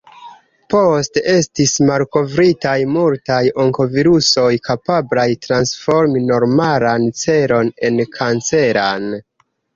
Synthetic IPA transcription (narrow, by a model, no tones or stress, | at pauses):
po̞stee̞stismalko̞vɾitajmultajo̞ŋko̞viɾuso̞jkapablajtɾansfo̞ɾmino̞ɾmalant͡se̞ɾo̞ne̞nkʰant͡se̞ɾan